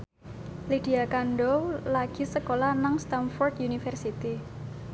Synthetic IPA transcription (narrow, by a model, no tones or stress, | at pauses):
lid̥i̤akanɖolaɡ̥i̤səkolanaŋst̪anfɔrt̪junifɛrsit̪i